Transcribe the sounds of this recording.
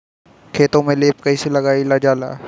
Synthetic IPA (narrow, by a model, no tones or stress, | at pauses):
kʰeːt̪õmẽleːp̚kɐiselɐɡaːilad͡ʒaːla̰ː